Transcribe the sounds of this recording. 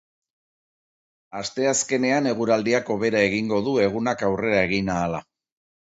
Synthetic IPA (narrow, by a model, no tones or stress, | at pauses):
ast̪e̞aske̞ne̞ane̞ɣ̞uɾald̪iako̞β̞e̞ɾae̞ɣiŋɡo̞ðue̞ɣ̞unakawre̞ɾae̞ɣ̞inaːla̰